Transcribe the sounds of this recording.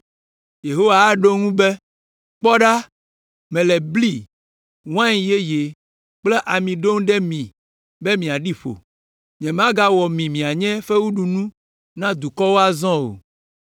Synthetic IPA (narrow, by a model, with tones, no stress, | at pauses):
je˨ɦo˦wa˨˦ɖo˦ŋũ˦be˦ | k͡pɔ˦ɖa˦ | mɛ̃˨lɛ˨bli˦ | ŋ˦ã˦ɲĩ˨je˦je˨ | k͡plɛ˦ʔa˨mĩ˨ɖo˦ŋɖɛ˦mĩ˨ | be˦mĩ˨a˨ɖi˦ɸo̰˨ | ɲɛ̃˨m˦ã˦ɡa˦wɔ˨mĩ˨mĩ˨a˨ɲɛ̃˦fɛ˦wu˦ɖu˨nũ˦ | nã˦d̪u˨kɔ˦wo˦a˦zɔ̃˦o̰˨